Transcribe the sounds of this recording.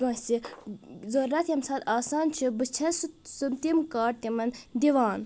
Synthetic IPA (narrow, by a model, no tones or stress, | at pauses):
ɡɐ̃ːsi | zoɾɾat̪jɐmsaːt̪aːsaːnt͡ʃʰibɨt͡ʃʰɐssumt̪imkaːʈt̪ʲimɐnd̪iʋaːn